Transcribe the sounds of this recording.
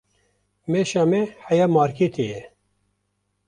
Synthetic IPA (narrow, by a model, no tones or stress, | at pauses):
meʃaːmɛhɛjaːmɑːɾkʰet̪ʰejɛ